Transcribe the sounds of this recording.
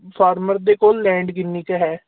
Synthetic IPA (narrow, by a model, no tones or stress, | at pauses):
pʰaːɾməɾd̪eːkoːlːɛ̃ːɳɖɡɪnːiːkəɦɛː